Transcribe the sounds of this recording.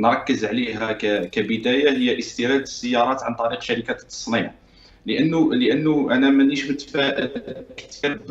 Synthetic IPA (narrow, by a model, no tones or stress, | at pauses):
nɾˤɑkːəzʕliɦækækæbəd̪æjaɦəjːæʔəst̪iɾæd̪əsːəjːɑɾˤɑt̪ʕant̪ˤɑɾiqʃæɾikæt̪ːɑ̥sˤniʕ | ləʔənːuləʔənːuʔænæmæniʃmət̪ːfæʔkt̪iɾ